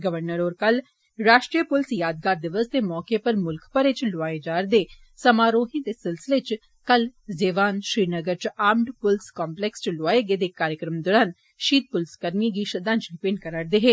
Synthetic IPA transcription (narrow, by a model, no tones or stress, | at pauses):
ɡəʋəɾnəɾɔːɾkɐl | ɾaːʃʈɾijəpʊlsjaːd̪̚ɡaːɾd̪ɪʋəst̪emɔːkepəɾmʊlkʰpəɾɪt͡ʃloaːed͡ʒaːɾd̪eː | sɐmaːɾoːɦĩd̪esɪlsɪlet͡ʃ | kɐlzeːʋaːnʃɾiːnəɡəɾt͡ʃaːmɖpʊlskaːmplɛːkst͡ʃloaːeɡeːd̪ekaːɾjəkɾəmd̪ɔːɾaːn | ʃiːt̪̚pʊlskəɾniɡiːʃɐd̪ãːnt͡ʃɖɪpẽːɳɖkəɾəɾd̪eɦeː